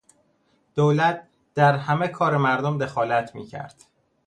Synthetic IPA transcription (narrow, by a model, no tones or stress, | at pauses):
d̪̥owlæt̪̚ | d̪̥æɾhæmekʰɒːɾemæɾd̪omd̪e̞xɒːlæt̪ʰmḭːcʰæ̰ɾd̪̥